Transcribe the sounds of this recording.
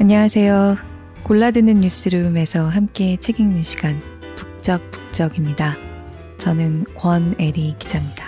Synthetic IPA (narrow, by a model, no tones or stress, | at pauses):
aɲaŋasʰe̞jo | koɭːadɯnɯnːus͈ʰɯɾɯme̞sʰʌɦamk͈e̞t͡ɕʰe̞ɡiŋnɯnɕʰi̥ɡ̥an | puk̚t͡ɕ͈ʌk̚p͈u̥k̚t͡ɕ͈ʌɡimɲida | t͡ɕʌnɯnkwʌne̞ɾikid͡ʑamɲida